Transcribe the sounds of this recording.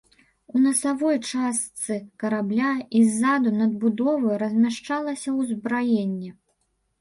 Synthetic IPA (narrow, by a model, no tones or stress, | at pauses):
unɐsavɔjt͡ʂast̪sɨkɐɾablʲaizːad̪unɐd̪̚bud̪ɔvɐjuɾɐzʲmʲaʂt͡ʂalˠɐsʲɐwzbɾajenʲːɛ